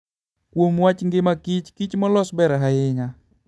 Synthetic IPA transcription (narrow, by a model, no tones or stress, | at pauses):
kwomwat͡ʃŋɡɪmakit͡ʃkit͡ʃmɔlɔsbɛɾaɦaɪŋa